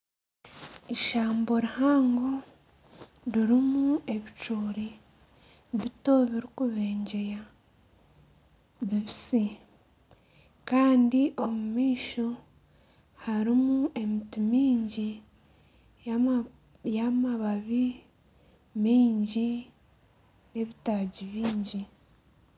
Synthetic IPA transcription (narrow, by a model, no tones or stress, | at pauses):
iʃaːmbo̞ɾihaːŋɡo̞ | ɾiɾimue̞βit͡ʃuːɾi | βito̞βiɾikuβe̞ːɲɟe̞ja | βiβisi | kaːndiʔo̞mumiːʃo̞ | haɾimuʔe̞mitimiːɲɟi | jamaβaβi | miːɲɟi | ne̞βitaːɟiβiːɲɟi